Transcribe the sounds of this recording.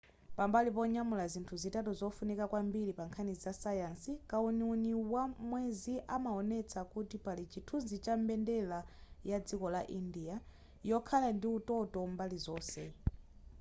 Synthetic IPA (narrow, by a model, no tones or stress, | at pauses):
pambalipɔɲamulazintʰuzitatuzɔfunikakwambiɾipaŋkʰanizizasajansikauniuniwamwɛziʔamaɔnɛt͡sʰakutipalit͡ʃʰitʰunzit͡ʃambɛndɛlajad͡zikɔlaʔindia | jɔkʰalandiutɔtɔmbalizɔːsɛ